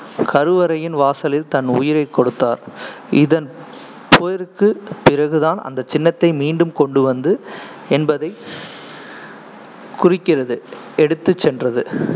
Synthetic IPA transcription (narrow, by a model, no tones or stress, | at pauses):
kʰɐɾɯʋɐɾɐjɪnʋaːsɐlɪlt̪ɐnʊ̰jɪɾɐɪkːɔɽɯt̪ːa̰ːɾ | ɪðɐn | poːjɐɾɯkːɯpɪrɐɣɯðaːnɐ̰nd̪ɐt͡ʃɪnːɐt̪ːɐɪmiːɳɖɯmkɔɳɖɯʋɐnd̪ɯ | ɛnbɐðɐɪ | kʊrɪkːɪrɐðɯ | ɛɽɯt̪ːɯt͡ʃːɛndrɐðɯ